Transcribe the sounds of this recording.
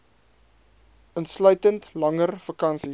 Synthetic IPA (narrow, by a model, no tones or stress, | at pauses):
ənslœɥtəntlɐŋərfɐkɐnsi